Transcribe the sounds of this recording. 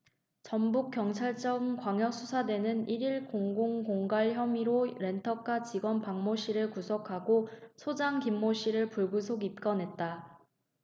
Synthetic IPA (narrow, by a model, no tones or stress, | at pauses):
t͡ɕʌmbuk͈jʌŋt͡ɕʰaɭt͡ɕ͈ʌmkwaŋjʌk̚s͈ʰusʰadwe̞nɯniɾiɭkoŋɡoŋkoŋɡaɭçjʌmiɾoɾe̞ntʰʌk͈ʰat͡ɕiɡwʌnpaŋmoɕ͈ʰiɾɯɭkusʰokʰaɡosʰod͡ʑaŋkimːoɕʰiɾɯɭpuɭɡus̬ʰoɡip̚k͈ʌnɦe̞t̚t͈a